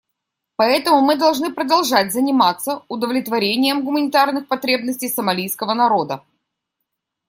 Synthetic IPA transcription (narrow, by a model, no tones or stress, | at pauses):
pɐɛt̪əmʊmɨd̪ɐlˠʐnɨpɾəd̪ɐlˠʐatʲzənʲɪmat̪sːəʊd̪əvlʲɪt̪vɐɾʲenʲɪjəmɡʊmənʲɪt̪arnɨxpɐt̪ɾʲe̞bnəsʲtʲɪjsəmɐlʲijskəvənɐɾo̞d̪ə